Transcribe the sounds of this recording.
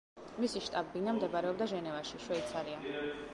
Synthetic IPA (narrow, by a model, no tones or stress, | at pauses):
misiʃt̪ʼabbinamd̪ɛbɾɛɔb̚d̪aʒɛnɛvaʃiʃwɛit̪sʰaɾia